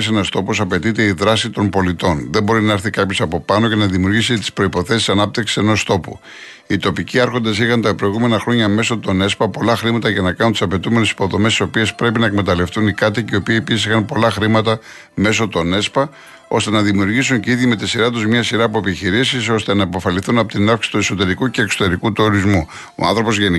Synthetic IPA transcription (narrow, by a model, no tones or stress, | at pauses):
senɐst̪o̞posɐpe̞t̪it̪e̞iðɾɐsit̪o̞mpo̞lit̪o̞nðe̞mbo̞ɾinɐɐɾθikɐpço̞sɐpo̞pɐno̞ce̞nɐðimiuɾʝisit̪i̥spɾo̞ipo̞θe̞si̥sɐnɐp̚t̪iksi̥se̞no̞st̪o̞pṵ | it̪o̞piciɐɾxo̞nd̪ɐsixɐnt̪ɐpɾo̞iɣume̞nɐxɾo̞ɲɐme̞so̞t̪o̞ne̞spɐpo̞lɐxɾimɐt̪ɐʝɐnɐkɐnunt̪isɐpe̞t̪ume̞nesi̥po̞ðo̞mest̪i̥so̞pie̞spɾe̞pinɐekme̞t̪ɐle̞ft̪unikɐt̪iceio̞pieepisisixɐnpo̞lɐxɾimɐt̪ɐ | me̞so̞t̪o̞ne̞spɐ | o̞̰st̪e̞nɐðimiuɾʝisuɲceiðʝime̞t̪esiɾɐt̪uzmɲɐsiɾɐːpoepiçiɾisiso̞st̪e̞nɐipo̞fɐliθunɐpot̪inɐfksi̥si̥t̪ue̞so̞t̪e̞ɾikuce̞ːkso̞̥t̪eɾikut̪e̞oɾizmu | o̰ɐ̰nθɾo̞po̞zʝeni